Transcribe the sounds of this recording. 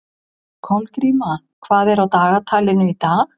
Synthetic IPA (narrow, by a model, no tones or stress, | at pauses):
kʰɔnkɾiːma | kʰvaːðɛɾawt̪aːɣat̪ʰaːlɪnʏit̪aːɣ